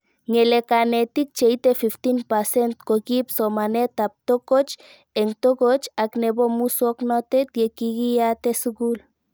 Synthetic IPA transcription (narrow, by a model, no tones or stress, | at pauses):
ŋelekanet̪ik̚t͡ʃeit̪efift̪inpasent̪kokipsomanet̪ap̚t̪okot͡ʃ | eŋt̪okot͡ʃaknebomusoknot̪et̪jekiɡiat̪esuɡul